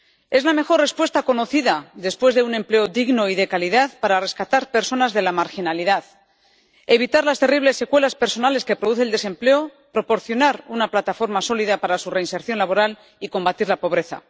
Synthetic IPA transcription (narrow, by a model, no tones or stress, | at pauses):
e̞zlame̞xo̞rre̞spwest̪ako̞no̞θiðaðe̞spwe̞zðe̞une̞mple̞o̞ðiɣno̞iðe̞kaliðaðpaɾare̞skat̪aɾpe̞ɾso̞nazðe̞lamaɾxinaliðað | e̞βit̪aɾlast̪e̞riβ̞le̞sːe̞kwe̞laspe̞ɾso̞nale̞ske̞pɾoðuθeːld̪e̞se̞mple̞o | pɾo̞po̞ɾθjo̞naɾunaplat̪afo̞ɾmaso̞liðapaɾasure̞inse̞ɾθjo̞nlaβo̞ɾal | iko̞mbat̪iɾlapo̞β̞ɾe̞θa̰